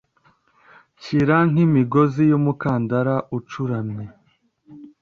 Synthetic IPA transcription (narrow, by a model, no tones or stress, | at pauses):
ciɾaŋ̥imiɡo̞zijumukaːndaɾaʔut͡ʃuɾamɲe